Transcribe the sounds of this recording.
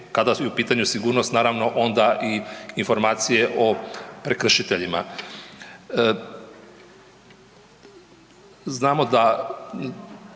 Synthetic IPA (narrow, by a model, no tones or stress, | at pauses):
kad̪asujɛupiːt̪aɲusiɡuːɾno̞st̪naːɾaʋno̞ʔo̞nd̪aʔiinfo̞ɾmaːt̪sije̞ʔo̞pɾekr̩ʃit̪e̞ʎima̰ | znaːmo̞d̪a